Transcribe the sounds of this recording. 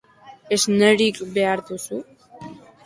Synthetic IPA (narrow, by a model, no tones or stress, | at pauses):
ezneɾikbe̞aɾðusu